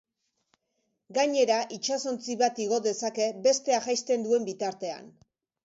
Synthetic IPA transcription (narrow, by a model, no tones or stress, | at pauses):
ɡaɲe̞ɾaʔit͡ʃaso̞nt͡siβat̪iɣo̞ðe̞sake̞be̞st̪e̞aʝajst̪e̞nd̪ue̞mbit̪aɾt̪e̞a̰n